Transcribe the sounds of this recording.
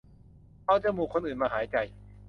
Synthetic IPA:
pʰa˧˩t͡ɕa˧˩muː˨˩kʰo˧nʔɯː˨˩nmaː˧ɦaː˩˦jt͡ɕa˧j

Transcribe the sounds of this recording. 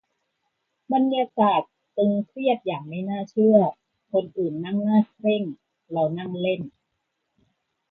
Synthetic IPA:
ba˧njaː˧kaː˨˩t̪̚ːɯ˧ŋkʰɾi˥˩ət̪̚jaː˨˩ŋ̚ma˥˩jnaː˥˩t͡ɕʰɯ˥˩ɐ | kʰo˧nʔɯː˨˩nːa˥˩ŋnaː˥˩kʰɾe˥˩ŋ | ɾa˧wna˥˩ŋle˥˩n

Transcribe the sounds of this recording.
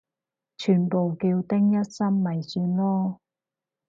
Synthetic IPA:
t͡ʃʰyː˨˩npo˨wki˧wt̪ɪ˥ŋjɐ˥t̚sɐ˥mːɐ˨jsyː˧nlɔː˥

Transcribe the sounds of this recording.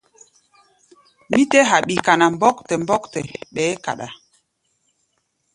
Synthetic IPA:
mi˦tɛ˦ɦa˨ɓi˨ka˨na˨mbɔ˦ktɛ˨mbɔ˦ktɛ˨ɓɛː˨˦ka̰˨ɗa̰˨

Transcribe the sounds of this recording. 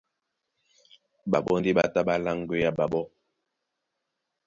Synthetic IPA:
ɓa˨ɓɔ˦n˦di˦ɓa˦ta˦ɓa˦la˦ŋ˦ɡwe˦ja˦ɓa˨ɓɔ˦

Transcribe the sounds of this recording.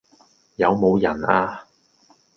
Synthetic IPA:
jɐ˨˧wmo˨˧wjɐ˨˩naː˧

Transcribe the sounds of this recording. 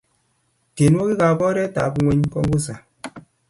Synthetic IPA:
te˨n˦o˦ki˦ka˨bɔ˦ɾɛ˦ta˨˦ku˦ŋʷe˦ɲ˦kɔ˦ŋɡu˦s̬a˨

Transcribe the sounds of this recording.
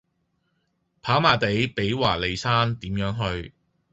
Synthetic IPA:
pʰaː˨˥wmaː˨˩t̪e˨˥jpe˨˥jwaː˨˩le˨˧jsaː˥nt̪iː˨˥mjœː˨˥ŋɦɵ˧ɥ

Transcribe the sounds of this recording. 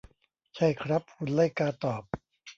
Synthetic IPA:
t͡ɕʰa˥˩jkʰɾa˦˥p̚kʰu˧nla˥˩jkaː˧t̪ɔː˨˩p̚

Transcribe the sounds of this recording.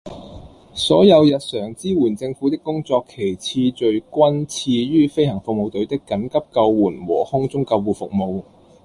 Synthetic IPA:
sɔː˨˥jɐ˨˧wjɐ˨t̚sœː˨˩ŋt͡siː˥wuː˨˩nt͡sɪ˧ŋfuː˨˥t̪ɪ˥kːʊ˥ŋt͡sɔː˧kʰːe˨˩jt͡sʰiː˧t͡ʃɵ˧ɥkʷɐ˥nt͡sʰiː˧ɥyː˥fe˥jhɐ˨˩ŋfʊ˨k̚mo˨˧wt̪ɵ˨˥ɥt̪ɪ˥kːɐ˨˥nkɐ˥p̚kɐ˧wːuː˨˩nwɔ̰ː˨˩hʊ˥ŋt͡sʊ˥ŋkɐ˧wːuː˨˩fʊ˨k̚mo˨˧w

